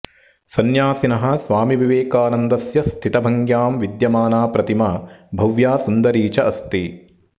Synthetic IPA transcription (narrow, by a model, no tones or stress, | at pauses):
sɐnjaːsinɐɦɐ̆sʋaːmiʋiʋeːkaːnɐnd̪ɐsjɐst̪ʰit̪ɐbʱɐŋɡjaːmʋid̪jɐmaːnaːpɾɐt̪imabʱɐʋjaːsund̪ɐɾiːt͡ʃɐʔɐst̪i